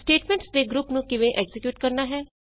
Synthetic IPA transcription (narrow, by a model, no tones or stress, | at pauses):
sʈeːʈmɛ̃ɳʈsd̪eːɡɾuːpnũːkɪʋẽʔɛːɡzɪkjuːʈkɐɾnaːɦɛː